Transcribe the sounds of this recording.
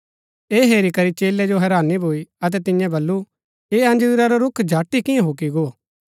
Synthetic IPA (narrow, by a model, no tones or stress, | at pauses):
eːɦeːɾikɐɾit͡ʃeːlɛd͡ʒoɦɛɾaːnibʱoːiɐt̪̬ɛt̪ɪ̃jãbɐlːu | eːɐ̃nd͡ʒɪɾaɾoɾʊkʰd͡ʒʱaːʈːikɪ̃jãɦoːkiɡo